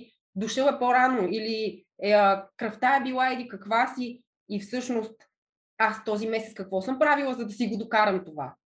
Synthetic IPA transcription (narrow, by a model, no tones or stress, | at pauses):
d̪ʊʃɤlɛpoɾanoili | kɾɐft̪aɛbilˠailikɐkvasiː | fsɤʃnost̪ | ast̪ɔzimɛsɛt̪kɐkvɔsɤmpɾavilˠəzɐd̪ɐsiɡod̪okaɾəmt̪ova